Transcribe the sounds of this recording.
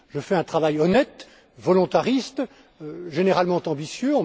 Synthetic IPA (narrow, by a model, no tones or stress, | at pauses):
ʒəfɛɛ̃t̪χavajɔnɛt̪ | vɔlɔ̃t̪aʁist̪ | ʒeneʁalmɑ̃t̪ɑ̃bisjøɑ̃